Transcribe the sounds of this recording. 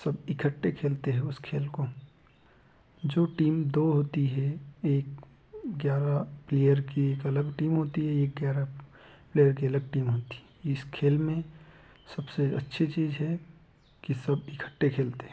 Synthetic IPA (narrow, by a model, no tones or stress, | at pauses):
sɐbɪkʰəʈːekʰeːlt̪eɦɛ̃ʊskʰeːlko | d͡ʒoːʈiːmd̪oːɦoːt̪iɦɛeːk | ɡjaːɾapleːjəɾkieːkɐləɡʈiːmɦoːt̪iɦɛeːk̚ɡjaːɾa | pleːjəɾk̬iɐləɡ̚ʈiːmɦoːt̪i̥ɦɛɪskʰeːlmẽ | sɐbseɐ̰tːʃʰet͡ʃiːzɦɛ | kisɐbɪkʰə̥ʈːekʰeːlt̪eɦɛ̃